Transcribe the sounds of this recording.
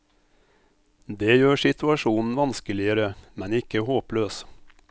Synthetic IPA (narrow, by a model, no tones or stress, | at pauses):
d̪eːjøːʃɪt̪ʰʉɑʃuːnn̩ʋɑnskəlɪəɾəmɛnɪkəhoːpløːs